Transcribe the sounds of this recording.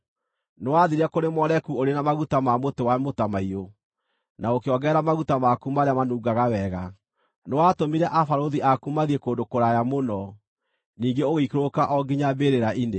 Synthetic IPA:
nwaðiɾɛkoɾemɔɾɛkuoɾenamaɣutamamotewamotamaio | naokeɔɡɛɾamaɣutamakumaɾeamanuːɡaɣawɛɣa | newatomiɾɛʔafaɾoðiʔakumaðiekoːndokoɾajamonɔ | niːŋɡeoɣeikɾokaʔɔɡiɲabeɾeɾaʔine

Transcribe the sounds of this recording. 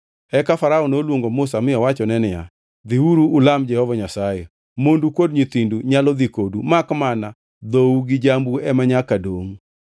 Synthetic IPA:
ɛkafaɾaɔnolwoŋɡomʊsamɪjɔwat͡ʃɔnɛnɪja̰ | d̪iwuɾuːlamd͡ʒɛhɔvaɲasajɛ | mondukodɲit̪induɲalɔd̪ikodumakmana | d̪ouɡɪd͡ʒambuɛmaɲakadoŋ

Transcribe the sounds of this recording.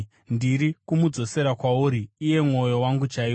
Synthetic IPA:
ndiɾikumud͡zo̞se̞ɾakwauːɾiːje̞mŋo̞jo̞waŋɡut͡ʃai

